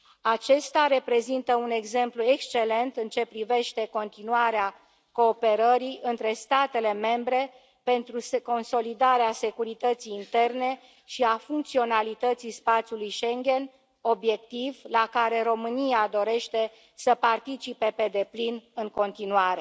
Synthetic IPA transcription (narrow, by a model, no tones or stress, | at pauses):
at͡ʃe̞st̪aɾe̞pɾe̞zint̪əune̞ɡze̞mplue̞kst͡ʃe̞le̞nt̪ɨnt͡ʃe̞pɾive̞ʃt̪e̞ko̞nt̪inuaɾea | ko̞ːpe̞ɾəɾiʔɨnt̪ɾe̞st̪at̪e̞le̞me̞mbɾe̞ | pe̞nt̪ɾusko̞nso̞lid̪aɾease̞kuɾit̪ət̪sijːnt̪e̞rne̞ | ʃiafuŋkt̪sio̞nalit̪ət̪sispat̪sjulujʃeŋɡʲe̞n | o̞bje̞k̚t̪ivlakaɾe̞ɾo̞mɨniad̪o̞ɾe̞ʃt̪e̞ | səpart̪it͡ʃipe̞pe̞d̪e̞plinɨŋko̞nt̪inuaɾe